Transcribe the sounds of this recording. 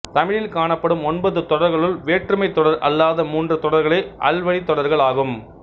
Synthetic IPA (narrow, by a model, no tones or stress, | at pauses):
t̪ɐmɪɻɪlkaːɳɐpːɐɽɯmɔnbɐðɯt̪ɔɽɐɾɣɐɭɯlʋeːʈrɯmɐɪt̪ːɔɽɐɾɐ̰lːaːðɐmuːndrɯt̪ɔɽɐɾɣɐɭɐɪʔɐ̰lʋɐɽit̪ːɔɽɐɾɣɐɭaːɣɯm